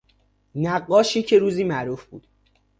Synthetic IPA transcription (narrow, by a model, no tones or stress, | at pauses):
næɢːɒːʃiːcʰe̞ɾuːziːmæʔɾuːfbṵːd̪̥